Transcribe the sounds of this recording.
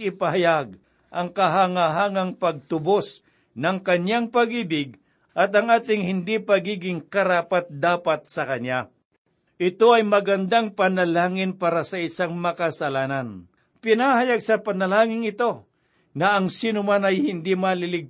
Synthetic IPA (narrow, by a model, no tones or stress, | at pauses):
ɪpahajaɡ̚ | ʔɐŋkɐɦaŋaɦaŋaŋpɐɡ̚t̪ʊbos | nɐŋkɐɲjaŋpɐɡiːbɪɡ̚ | ʔɐt̪ɐŋaːt̪ɪŋhɪnd̪ipɐɡiːɡɪŋkɐɾaːpat̪̚d̪aːpat̪̚sɐkɐɲja | ʔɪt̪oɐjmɐɡɐnd̪aŋpɐnɐlaːŋɪnpaːɾasɐʔɪsaŋmɐkasɐlaːnan | pɪnahajaɡsɐpɐnɐlaːŋɪŋɪt̪o̞ | nɐʔɐŋsiːnʊmanɐjhɪnd̪imalɪlɪɡ̚